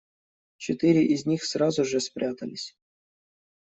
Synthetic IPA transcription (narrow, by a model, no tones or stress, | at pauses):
t͡ɕet̪iɾʲiʔizʲnʲixsrɑzuʐəsʲpʲɾʲat̪a̰lʲisʲ